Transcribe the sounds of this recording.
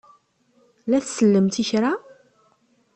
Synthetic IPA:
læθsəlːəmt̪içɾa

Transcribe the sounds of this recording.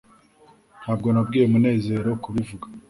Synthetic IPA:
nhaːb̚ɡo̞nab̚ɡiːjemune̞ːze̞ːɾo̞kuβivuɡḁ

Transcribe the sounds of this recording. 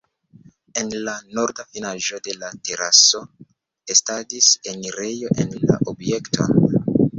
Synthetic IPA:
e̞nlano̞ɾdafinaʒo̞de̞late̞ɾaso̞ | estadiseniɾe̞jo̞ʔenla̰ʔobje̞ktʰo̞̰n

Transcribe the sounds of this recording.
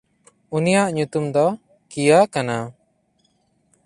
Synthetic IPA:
unijaʔɲut̪umd̪ɔ | kijakana

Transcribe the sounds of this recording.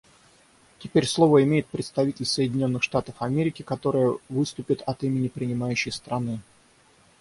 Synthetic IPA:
tʲɪpʲeɾʲslˠo̞vəɪmʲejɪt̪̚pɾʲɪt̪st̪ɐvʲitʲɪlʲsəjɪdʲɪnʲo̞nːɨxʂt̪at̪əfɐmʲeɾʲɪkʲɪkɐt̪o̞ɾɨjəvɨst̪ʊpʲɪt̪ɐt̪imʲɪnʲɪpɾʲɪnʲɪmajʉɕːɪjst̪ɾɐnɨ

